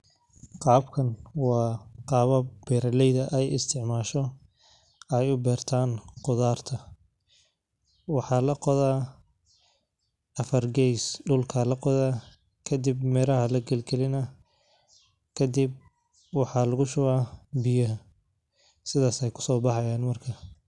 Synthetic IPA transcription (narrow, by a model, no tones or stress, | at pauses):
qɑːbkʰɐnwɑːqɑːβɐb̥ɛːɾɐlɛjðɐʔɛjɪst̪ʰɪʕmaːʃɔ | ɛjʊbɛːrt̪ʰaːnqʊðaːrt̪ʰɐ | wɑħɑːlɐqɔðaː | ʔɐfɐrɡɛjsɖʊlkʰɐlɐqɔðaː | kʰɐd̪ɪbmɛːɾɐɦɐlɐɡɐlɡɛlɪnɐ | kʰɐd̪ɪb̚ | wɑħɑːlɐɣʊʃʊɣaːbɪjɐɦɐ | sɪðaːsɛjkʰʊ̥sɔːbɑħɑjaːnmɐrkʰɐ